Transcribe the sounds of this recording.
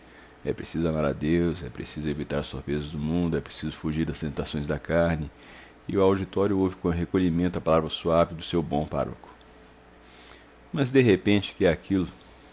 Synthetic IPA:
ɛ̰pɾesizʊamaɾa̰d̪ewsɛpɾḛsizʊevit̪aɾɐsoɾpɾezɐzd̪ʊmũnd̪ʊɛpɾe̥sizʊfuʒiɾd̪ɐst̪ẽt̪asõj̃zd̪ɐkaɾnɪ | ɪʊawd͡ʒit̪ɔɾjʊowvɪkõɦekoʎimẽnt̪ʊɐpalavɾɐsuavɪd̪ʊsewbõpa̰ɾo̰kʊ̥ | mɐzd̪eɦepẽt͡ʃɪ̥kɪɛakʰilʊ

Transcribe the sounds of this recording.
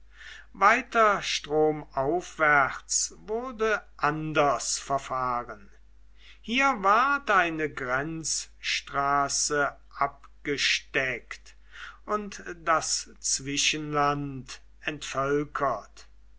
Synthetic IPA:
vaɪtɐʃtʁ̥oːmaʊfv̥æʁt͡svʊʁdəʔandɐsfɛɐfaːʁən | hiːɐvaɐtʔaɪnəɡʁɛnt͡sʃtʁ̥aːsə | ʔap̚ɡ̥əʃtɛkt | ʔʊntdas | t͡sv̥ɪʃənlant | ɛntfœlkʰɐt

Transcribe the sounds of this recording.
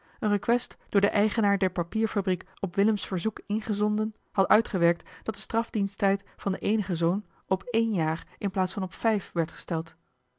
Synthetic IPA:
ənrəkʋɛstd̥ʊːɹdəʔɛjχənaːɹdɛɹpɑpiːɹfabrik | ɔpʋɪləmsfəɹzukɪnχəzɔndən | hɑtœɥtχəʋɛɹk̚td̥ɑt̚dəstrɑfdinstɛjtfɑndəʔejnəχəzown | ɔpejnjaːɹʔɪnplaːtsfɑnɔpfɛjfʋɛɹtχə̥stɛlˠt

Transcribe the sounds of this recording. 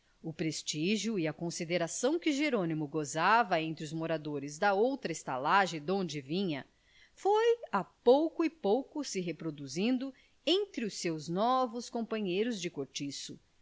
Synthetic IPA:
ʊpɾest͡ʃiʒjʊɪɐkõsid̪eɾasɐ̃w̃kɪʒeɾõnimʊɡozavɐẽnt̪ɾɪʊzmoɾad̪oɾɪzd̪ɐowt̪ɾɐɪst̪a̰laʒẽd̪õd͡ʒɪvĩɲɐ | fojapowkʊɪpowkʊsɪɦepɾod̪uzĩnd̪ʊ | ẽt̪ɾɪʊsewznɔvʊskõpɐ̃ɲejɾʊzd͡ʒɪkoɾt͡ʃisʊ

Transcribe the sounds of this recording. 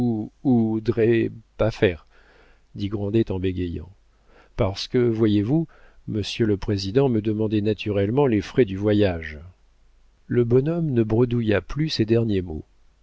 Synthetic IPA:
uud̪ʁɛpafɛːʁ | d̪iɡʁɑ̃d̪ɛt̪ɑ̃beɡʲɛjɑ̰̃ | paʁsə̥kəvwajevu | məsjøləpχezid̪ɑ̃məd̪əmɑ̃d̪ɛnat̪ʰyʁɛlmɑ̃lefχɛd̪yvwajaʒ | ləbɔnɔmnəbʁəd̪ujaplysɛd̪ɛʁnjemo̰

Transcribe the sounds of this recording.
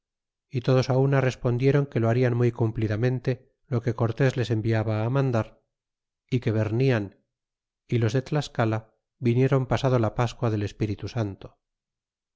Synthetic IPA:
it̪o̞ð̞o̞saunare̞spo̞nd̪je̞ɾo̞ŋkeloaɾianmujkumpliðamẽ̞nt̪e̞ | lo̞ke̞ko̞ɾt̪e̞zle̞se̞mbiaβaːmãnd̪aɾ | ike̞βe̞ɾnian | ilo̞zðe̞t̪laskala | βinje̞ɾo̞mpasað̞olapaskwaðe̞le̞spiɾit̪usant̪o̥

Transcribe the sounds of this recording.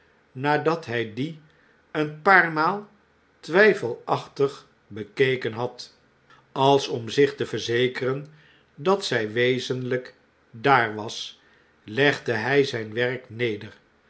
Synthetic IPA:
naːdɑtɦɛjdi | ənpaːɹmaːlˠ | tʋɛjfəlˠɑχtəχ | bəkejkənɦɑt | ɑlˠsɔmzɪχtəvəɹzejkərən | dɑtsɛjʋejzənlək | daːɹʋɑs | lɛχdəɦɛjzɛjnʋɛrknejdər

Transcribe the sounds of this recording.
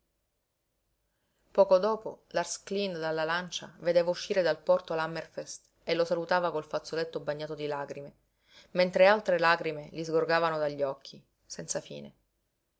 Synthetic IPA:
pɔːkod̪ɔːpo̰larsklind̪alːalant͡ʃa̰ved̪eːvauʃːiːɾed̪alpɔrt̪oalamerfɛst̪ | elosalut̪aːvakolfat̪solet̪ːobaɲːaːt̪od̪ilaɡɾime | ment̪ɾealt̪ɾelaːɡɾimelizɡorɡaːvanod̪aʎːiɔkʰːi | sɛnt̪safḭːnḛ

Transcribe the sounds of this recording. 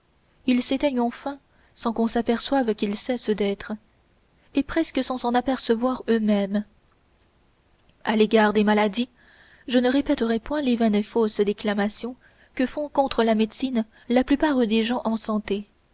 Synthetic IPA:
ilset̪ɛɲɑ̃fɛ̃ | sɑ̃kɔ̃sapɛʁswavkʲilsɛsd̪ɛt̪χ | epχɛskəsɑ̃sɑ̃napɛʁsəvwaʁømɛm | aleɡaʁd̪emalad̪i | ʒənəʁepɛt̪əʁɛpwɛ̃levɛnefosd̪eklamasjɔ̃ | kəfɔ̃kɔ̃t̪χəlamed̪sin | laplypaʁd̪eʒɑ̃ʔɑ̃sɑ̃t̪e

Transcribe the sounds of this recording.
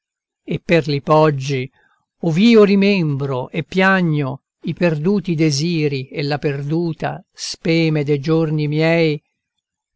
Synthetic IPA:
epːerlipɔd͡ʒːi | oviːoɾimɛmbɾoʔepːjaɲːo | iperd̪uːt̪id̪eziːɾielːaperd̪uːt̪a̰spɛːmed̪ejd͡ʒornimjɛj

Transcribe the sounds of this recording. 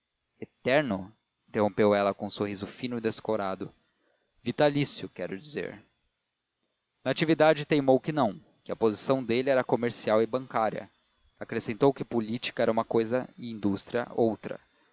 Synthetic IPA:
et̪ɛɾnʊ | iĩĩt̪eɦõpewɛlɐkõũsohizʊfĩnʊid̪eskoɾad̪ʊ | vit̪alisjʊkɛɾʊd͡ʒizḛɾ | nat͡ʃivid̪ad͡ʒɪt̪ejmowkɪnɐ̃w̃ | kɪɐpozisɐ̃w̃d̪elɪɛɾɐkomeɾsiawɪbɐ̃ŋkaɾjɐ̰ | akɾesẽnt̪owkɪpolit͡ʃi̥kɐɛɾɐũmɐkojzɐɪĩnd̪ust̪ɾiɐ̰owt̪ɾɐ̰

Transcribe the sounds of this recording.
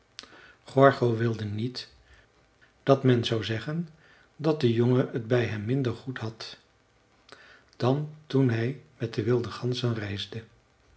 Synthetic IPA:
χɔɹχowʋɪlˠdənit | d̥ɑtmɛnzawzɛχən | dɑt̚dəjoŋəədbɛjɦɛmːɪndəɹχutɦɑt | d̥ɑntunɦɛjmɛt̚dəʋɪlˠdəχɑnzənrɛjzdə

